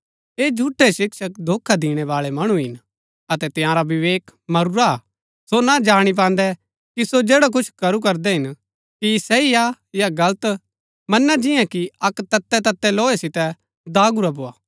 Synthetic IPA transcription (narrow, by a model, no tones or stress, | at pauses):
eːd͡ʒʱuʈʰːeʃɪkʃəkd̪ʱoːkʰad̪iːɽ̃ɛʋaːɭɛmɐɽ̃uɦɪn | ɐt̪ɛt̪ɪ̃jãːɾaʋɪʋeːkmɐɾuɾa | sonad͡ʒaːɽ̃ip̬ãːn̆d̪ɛ | kisod͡ʒeːɽak̬ʊt͡ʃʰkɐɾukɐɾd̪ɛɦɪn | kisɛija | jaɡɐlət̪ | mɐnːad͡ʒɪ̃jãkiɐkt̪ɐt̪ːɛt̪ɐt̪ːɛloːesɪt̪ɛ | d̪aːɡuɾaboːaː